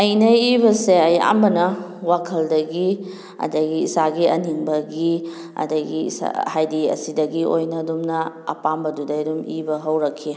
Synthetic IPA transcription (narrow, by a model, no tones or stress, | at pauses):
ɐjnɐibɐseɐja̰mbɐnɐ | wakʰɐldɐɡi | ɐ̰dɐɡiːsaɡiɐniŋbɐɡi | ɐ̰dɐɡḭsa̰hajdiɐ̰sidɐɡiʔojnɐːdumnɐɐ̰pambɐdudɐjdumibɐɦɐwɾɐkʰːi